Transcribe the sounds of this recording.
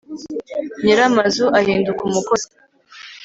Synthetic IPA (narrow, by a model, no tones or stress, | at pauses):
ɲiɾamazuʔahiːndukumukoz